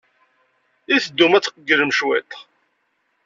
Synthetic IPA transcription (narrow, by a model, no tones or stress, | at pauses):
iθəd̪ːumæt͡sːqəɡːələmʃwæt̪